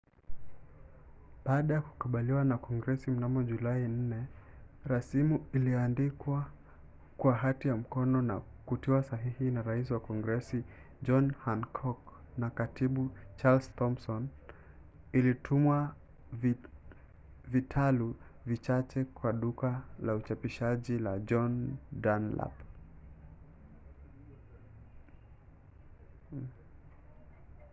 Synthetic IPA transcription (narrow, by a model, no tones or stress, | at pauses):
ɓaːɗajaku̥kuɓaliwanakɔŋɡɾɛsim̩namɔʄulain̩nɛ | ɾasimuiliandikwa | kwaɦatijam̩kɔnɔna̰ | kutiwasaɦihinaɾais̬iwakɔŋɡɾɛsi | d͡ʒɔnhankʰɔk | nakatiɓut͡ʃalstɔmsɔn | ilitʰumwa | vitʰalu | vit͡ʃat͡ʃɛkwaɗukalaut͡ʃapiʃaʄilad͡ʒɔndanla̰p